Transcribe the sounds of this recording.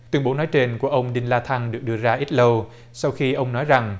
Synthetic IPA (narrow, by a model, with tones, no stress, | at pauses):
t̪wi˧əŋɓo˨˦nɔ˨˦jt͡ɕe˧nku˧˩əʔə˧wŋ͡mɗi˧nlaː˧t̪ʰa˧ŋɗɨ˨˩ək̚ɗɨ˧əzaː˧ʔi˦˥t̚lə˧w | sa˧wxi˧ʔə˧wŋ͡mnɔ˨˦jza˨˩ŋ